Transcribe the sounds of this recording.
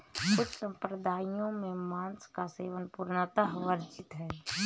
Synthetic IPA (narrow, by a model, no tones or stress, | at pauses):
kʊt͡ʃʰsə̃mpɾəd̪ʱaːijõmẽmãːnskaseːʋənpuɾnət̪əɦʋəɾt͡ʃɪt̪ɦɛː